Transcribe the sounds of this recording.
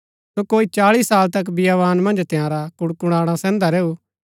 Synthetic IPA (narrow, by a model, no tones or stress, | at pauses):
sokoːit͡ʃaːɭisaːlt̪ɐk̬bijaʋaːnmɐ̃nd͡ʒt̪jãːɾakʊɽkʊɽ̃aːɽ̃ãsɛ̃ːnd̪aɾɛːu